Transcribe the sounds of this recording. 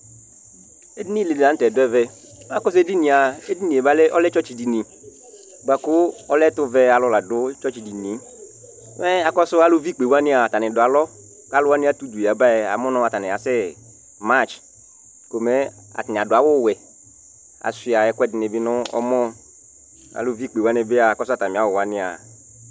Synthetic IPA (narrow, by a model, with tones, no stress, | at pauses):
e˦di˦nĩ˦li˨da˨˦n̩˦tɛ˨dʊ˦ɛ˦vɛ˦ | a˦kɔ˦s̬e˦di˦nĩ˨a˨e˦di˦nĩ˨e˨ba˦lɛ˦ʔɔ˦lɛ˦t͡ʃɔ˦t͡ʃi˨di˨nĩ˨ | ɡ͡ba˨kʊ˦ɔ˦lɛ˦tʊ˦vɛ˦a˨lɔ˨˦la˨dʊ˦t͡ʃɔ˦t͡ʃi˨di˨nĩ˨˦ | mɛ˦a˨kɔ˦sʊ˦a˦lʊ˦vi˦k͡pe˨wa˦nɪ̃˦a˨ta˨nɪ̃˨dʊ˨a˨lɔ˦ | ka˦lʊ˦wa˦nɪ̃˦a˨t̪u˦du˨ja˨ba˦ɛ˨a̰˨mɔ̃˦nɔ̃˦a˨t̪a˨nɪ̃˨a˨sɛ˦ | ma˦t͡ʃ | ko˨mɛ˦ | a̰˨tnɪ̃˨a˨dʊ˨a˨wʊ˦˨wɛ˨ | a̰˨si˨a˨ɛ˨˦kʊ˦ɛ˦dɪ˨ne˨bi˦nʊ̃˦ɔ̰˦mɔ̃˦ | a̰˨lʊ˦vi˦k͡pe˨wa˦nɪ˦be˦a˨a˨kɔ˦sʊ˦a˦˨t̪a˨mĩ˨a˨˦ʊ˨wa˨˦nɪ̃˦a̰˨